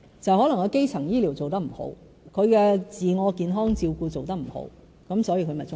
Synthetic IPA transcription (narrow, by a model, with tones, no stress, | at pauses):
t͡sɐ˨whɔ˨˥lŋkɐ˨˧ke˥jt͡sʰɐ˨˩ŋjiː˥liː˨˩wt͡so˨wt̪ɐ˥k̚m̩˨˩ho̰˨˥w | kʰɵ˨˧ɥkɛː˧t͡siː˨ŋɔː˨˧kiː˨˧nɦɔː˥ŋt͡siː˧wkuː˧t͡so˨wt̪ɐ˥k̚m̩˨˩ho̰˨˥w | kɐ˨˥msɔː˨˥jiː˧kʰɵ˧mɐ˨˩jt͡sʊ˥